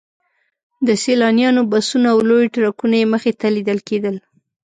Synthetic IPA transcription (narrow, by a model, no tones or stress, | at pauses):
d̪əselɑnjɑnobasunaːwlojʈɾakunajeməxet̪alid̪əlked̪əl